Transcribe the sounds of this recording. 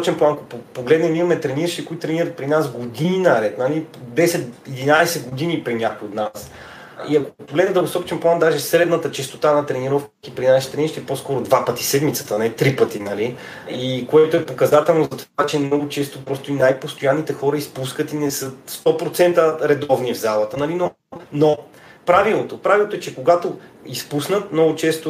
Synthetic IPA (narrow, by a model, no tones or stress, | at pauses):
ɔt͡ʃɛnplˠankoppoɡlɛd̪nɛmimɐmɛt̪ɾɛniɾʃikoit̪t̪ɾɛniɾət̪̚pɾinasɡod̪ininɐɾɛt̪nɐlid̪ɛsɛt̪id̪inaɛsɛd̪ɡod̪inipɾinʲakojot̪nas | iɐkopoɡlɛd̪nɛd̪ɐɡosɔt͡ʃɛnplˠand̪aʒɛsɾɛd̪nət̪ət͡ʃɛst̪ot̪anɐt̪ɾɛniɾɔfkk̪ipɾinaʃi̥t̪ɾɛniɾʃt̪iɛposkɔɾod̪vapət̪isɛd̪mit̪sə̥t̪ənɛt̪ɾipət̪inɐli | ikoɛt̪oɛpokɐzat̪ɛlˠnozɐt̪ovat͡ʃɛmnɔɡʊt͡ʃɛst̪opɾɔst̪oinajpost̪ojanːit̪ɛxɔɾəispuskət̪inɛsɤst̪ɔpɾot̪sɛnt̪əɾɛd̪ɔvnivzalˠət̪ənɐlino | no | pɾavilˠot̪opɾavilˠot̪oɛt͡ʃɛkoɡat̪o | ispusnət̪mnɔɡʊt͡ʃɛst̪o